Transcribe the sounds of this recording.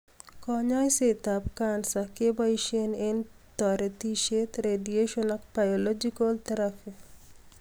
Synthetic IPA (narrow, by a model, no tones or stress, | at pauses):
kɔɲɔjset̪apkansakebaiʃienent̪ɔɾet̪iʃet̪ɾedieʃɔnɔk̚b̥ajolod͡ʒikɔlt̪ɐɾafi